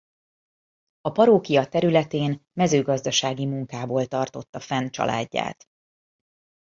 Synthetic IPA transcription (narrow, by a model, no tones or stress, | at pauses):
ɒpɒɾoːkijɒt̪ɛɾylɛt̪eːnmɛzøːɡɒzd̪ɒʃaːɡimuŋkaːboːlt̪ɒrt̪o̞t̪ːɒfɛnt͡ʃɒ̰lʔa̰ːɟːa̰ːt̪